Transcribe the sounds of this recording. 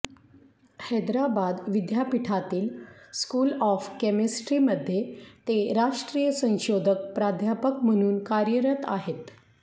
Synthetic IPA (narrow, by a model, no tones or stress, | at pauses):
həd̪ɾabad̪ʋid̪ʱjapiʈʰat̪iːlskuːlɔfkemesʈɾiməd̪ʱːjet̪eɾaʂʈɾijəsə̃w̃ɕod̪ʱək̚pɾad̪ʱjapəkm̤əɽ̃uːnkaɾjəɾət̪a̰ɦet̪